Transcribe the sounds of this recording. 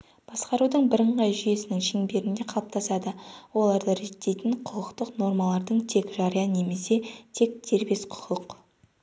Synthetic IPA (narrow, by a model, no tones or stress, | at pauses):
b̥ɑsqɑɾud̪əɴbɪɾəɴʁɑjʒʏje̞sɪnɪŋʃiŋbe̞ɾɪnd̪e̞qʰɑlˠəp̚t̪ʰɑsɑd̪əwo̞lˠɑɾd̪əɾet̪ːe̞jt̪ɪɴqʰʊlˠəqt̪əqno̞ɾmɑlˠɑɾd̪əɴt̪ʰe̞kʒɑɾijɑne̞me̞se̞t̪ʰe̞k̚d̪̥ʰe̞ɾbe̞sqʰʊ̥qʰəq